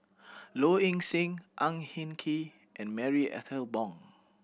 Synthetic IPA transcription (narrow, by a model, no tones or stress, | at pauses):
loĩŋsĩŋʔãŋhĩnkʰi | ʔɛ̃nmɛɹiʔɛ̰tʰəlbɔ̃ŋ